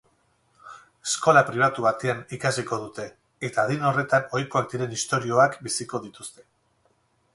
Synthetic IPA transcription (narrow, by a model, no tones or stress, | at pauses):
esko̞lapɾiβ̞at̪uβat̪e̞anikasiko̞ð̞ut̪e̞ː | t̪aːð̞ino̞re̞t̪ano̞jko̞ak̚d̪iɾe̞nist̪o̞ɾio̞akbisiko̞ðit̪ust̪e̞